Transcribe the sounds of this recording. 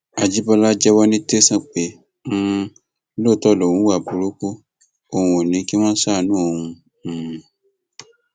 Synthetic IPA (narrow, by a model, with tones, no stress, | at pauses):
a˨d͡ʒi˦bɔ˦la˦d͡ʒɛ˦wɔ˦nĩ˦te˦sã˦k͡pẽ˨˦ | lo˦˨tɔ˦˨lɔ˨ũ˨˦wa˦˨bu˨ɾo˦ku˦ | o˧hũ˧o˨nĩ˨˦ki˦mã˦sa˦˨nũː˨˦o˧hũ˧˦˨